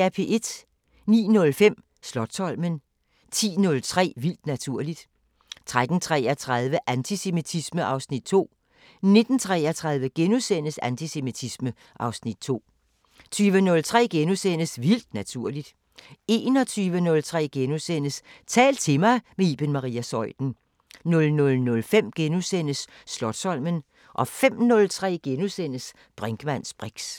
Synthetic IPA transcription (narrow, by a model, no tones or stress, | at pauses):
æpʰe̝ʔe̝d̥ | nḭːnɔ̽lfem̰ | slɒ̽d̥sɒ̽lmən | t͡sʰḭːnɔ̽lt͡sʰʁɛ̰ːʋil̰d̥næt͡sʰuɐ̰lid̥ | t͡sʰʁad̥n̩t͡sʰʁɛːɐt͡sʰʁað̞ˠʋəʔænt͡sʰise̝mit͡sʰisməʔɑ̈ʊsnid̥̚t͡sʰo̝̰ː | ne̝d̥n̩t͡sʰʁɛːɐt͡sʰʁɑ̈ð̞ˠʋəɡ̥enosen̰əsænt͡sʰise̝mit͡sʰismə | ʔɑ̈ʊsnid̥̚t͡sʰo̝̰ː | t͡sʰyːʋənɔ̽lt͡sʰʁɛ̰ːɡ̥enosenəsʋil̰d̥næt͡sʰuɐ̰lid̥ | e̝ːnɒt͡sʰyːʋənɔ̽lt͡sʰʁɛ̰ːɡ̥e̝nosenəst͡sʰɛ̰ːld̥̚t͡sʰe̝mɑ̈ɪmeib̥enmɑʁiːæsɒ̽ɪ̰d̥n̩ | nɔ̽lnɔ̽lnɔ̽lfem̰ɡ̥enusenəsː | lɒ̽d̥sɒ̽lmən | ʔɒ̽fem̰nɔ̽lt͡sʰʁɛ̰ːɡ̥enusen̰əs | b̥ʁeŋɡ̥əmæn̰sb̥ʁeɡ̥s